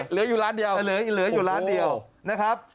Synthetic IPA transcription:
lɯ˩˦juː˨laː˦˥ndi˨˩əwlɯ˩˦˨lɯ˨˩˦ɐ˦juː˨˩laː˦˥ndi˨˩əwna˦˥kʰɾa˦˥p̚

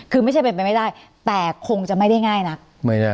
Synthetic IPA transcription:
kʰɯː˧ma˥˩jt͡ɕʰa˥˩jpe˧npa˧jma˥˩jdaː˥˩j | t̪ɛː˨˩kʰo˧ŋt͡ɕa˨˩ma˥˩jda˥˩jŋaː˥˩jna˦˥k̚ | ma˥˩na˦˥˩

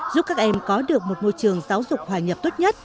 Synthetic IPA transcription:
zu˦˥p̚kaː˦˥k̚ʔɛ˧mkɔ˨˦ɗɨ˨˩ək̚mo˨˩t̚mo˧jt͡ɕɨ˨˩əŋzaː˨˦wzʊ˨˩k͡p̚hwaː˨˩ɲə˨˩p̚t̪o˦˥t̚ɲə˦˥t̚

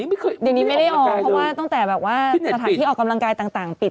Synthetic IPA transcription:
di˧˨niː˦˥ma˥˩jɾa˥˩jʔɔː˧ɔ˦˧˥waː˥˩t̪ɔ˥˩ŋt̪ɛː˨˩bɛː˨˩p̚waː˥˩sa˧t̪ʰaː˨˧˨i˥˩ʔɔː˨˩ka˧mla˧ŋkaː˧jt̪aː˨˩ŋt̪aː˨˩ŋpi˨˩t̚

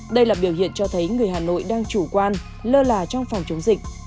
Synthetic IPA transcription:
ɗə˧jlaː˨˩ɓi˧˩əwhḭ˧˨ənt͡ɕɔ˧t̪ʰə˨˦jŋɨ˨˩əjhɦaː˨˩no̰˧˨jɗaː˧ŋt͡ɕu˧˩kwaː˧n | ləː˧laː˨˩t͡ɕɔ˧wŋ͡mfɔ˨˩wŋ͡mt͡ɕə˨˦wŋ͡mzï˨˩k̚

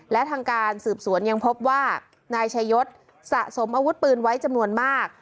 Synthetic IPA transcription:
lɛ˦˥t̪ʰaː˧ŋkaː˧nsɯː˨˩p̚su˩˦ənja˧ŋpʰo˦˥p̚waː˥˩ | naː˧jt͡ɕʰa˧jːo˦˥t̪̚ | sa˨˩ʔso˩˦mʔaː˧wu˦˥t̪̚pɯː˧nwa˦˥jt͡ɕa˧mnu˧ənmaː˥˩k̚

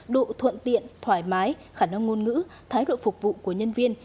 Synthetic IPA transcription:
ɗo̰˧˨t̪ʰwə̰˧˨nt̪ḭ˧˨ənt̪ʰwaː˧˩jmaː˨˦j | xaː˧˩na˧ŋːo˧nŋɨ̰˧˥t̪ʰaː˨˦jɗo̰˧˨fʊ˨˩k͡p̚vṵ˧˨ku˧˩əɲə˧nvi˧ən

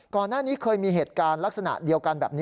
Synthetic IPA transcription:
kɔː˨˩nːaː˥˩niː˦˥kʰɤː˧jmiː˧ɦeː˨˩t̪̚kaː˧nla˦˥k̚sa˧na̰˨˩ʔdi˧əwka˧nbɛː˨˩p̚niː˦˥

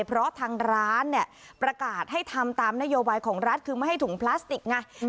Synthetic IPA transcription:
pʰɾɔ˦˥t̪ʰaː˧ŋɾaː˦˥nːi˧˩ə | pɾa˧kaː˨˩t̪̚ha˥˩jt̪ʰa˧mt̪aː˧mna˦˥joː˧baː˧jkʰɔː˩˦ŋɾa˦˥t̪̚kʰɯː˧ma˥˩jɦa˥˩t̪u˩˦ŋpʰlaː˦˥st̪i˨˩k̚ŋa˧˩

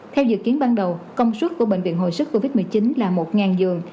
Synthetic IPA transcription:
t̪ʰɛ˧wzɨ̰˧˨kːi˨˦ənɓaː˧nɗə˨˩wkə˧wŋ͡mswə˦˥t̚ku˧˩əɓḛ˧˨ŋ̟vḭ˧˨ənɦo̰˧˨jsɨ˦˥k̚kːo˧vi˦˥t̚mɨ˨˩əjt͡ɕi˨˦nlaː˨˩mo˨˩t̚ŋaː˨˩nzɨ˨˩əŋ

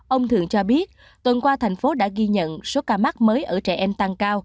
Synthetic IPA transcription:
ʔə˧wŋ͡mt̪ʰɨ̰˨˩əŋt͡ɕɔ˧ɓi˦˥ət̚ | t̪wə˨˩nkwaː˧t̪ʰɛ˨˩jŋ̟fo˨˦ɗa̰ː˧˥ɣi˧ɲə̰˧˨nso˨˦kaː˧ma˦˥t̚məː˨˦jʔəː˧˩t͡ɕɛ˧˩ʔɛ˧mt̪a˧ŋkaː˧w

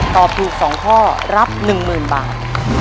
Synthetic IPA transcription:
t̪ɔː˨˩p̚t̪ʰuː˨˩k̚sɔː˩˦ŋkʰɔː˥˩ | ɾa˦˥p̚nɯ˨˩ŋmɯː˨˩nba̰ː˨˩t̪̚

